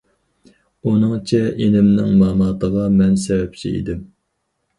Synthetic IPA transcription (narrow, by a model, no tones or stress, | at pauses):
unɨŋt͡ʃʰɛʔenɪmnɪ̰ŋmɑːmɑːt̪ʰəʁɑmɛnsɛvɛp̚t͡ʃʰḭḭd̪ɪm